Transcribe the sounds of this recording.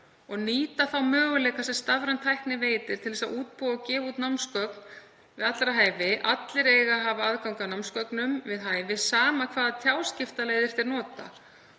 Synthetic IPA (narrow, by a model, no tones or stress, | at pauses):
ɔɣniːt̪aθawmœːɣʏlɛːkasɛmst̪avɾant̪ʰajhknɪveːjt̪ɪɾ̥t̪ʰɪlvɛsauːt̪̚puawcɛːvauːt̪nawmskœkn | vɪðat̪lɾaɦaːjvɪʔat̪lɪɾeːjɣaɦavaaðkawŋkanawmskœknʏmvɪðɦaːjvɪsaːmakʰvaːðat̪ʰjaːwscɪft̪alejðɪɾ̥t̪ɪɾnɔːt̪a̰